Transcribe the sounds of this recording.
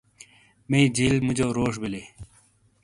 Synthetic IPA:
mẽid͡ʑiːlmud͡ʑoːɾoːʂbile

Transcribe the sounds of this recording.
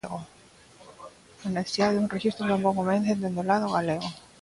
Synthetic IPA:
ɣo | oneθesiðaðeunrexist̪ɾot̪amboŋomenθend̪end̪olaðoɣaleɣo

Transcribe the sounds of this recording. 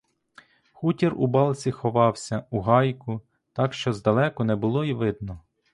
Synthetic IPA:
xutʲirṵbɑlˠt͡sʲixɔʋɑwsʲɐuɦɑjkʊ | t̪ɑkʃt͡ʃɔzd̪ɐlˠɛkɔnɛbʊlˠɔiʋɪd̪̚nɔ

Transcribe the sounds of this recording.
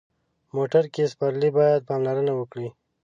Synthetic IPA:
moʈaɾkespaɾlibɑjad̪̚pɑmlaɾənawəkɽi

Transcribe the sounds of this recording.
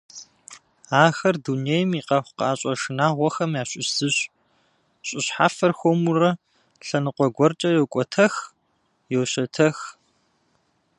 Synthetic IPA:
aːxɐrdunejmiːqɐxʷqaːɕʼɐʂɨnaːʁʷɔxɐmjaːɕʼɪzɨɕʼ | ɕʼɪɕħa̰ːfɐrxʷomurɐ | ɬɐnɨqʷɔɡʷɔrt͡ʃʼɐjowkʷʼɔtʰɐx | jowɕɐtʰɐx

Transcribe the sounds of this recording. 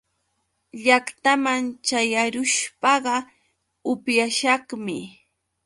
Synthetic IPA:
ʎakt̪amant͡ʃajaɾʊʃpɑɢɑ | ʊpjaʃɑχmɪ

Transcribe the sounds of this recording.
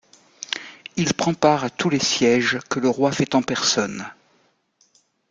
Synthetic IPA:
ilpχɑ̃paʁat̪ulesjɛʒkələʁwafɛt̪ɑ̃pɛʁsɔn

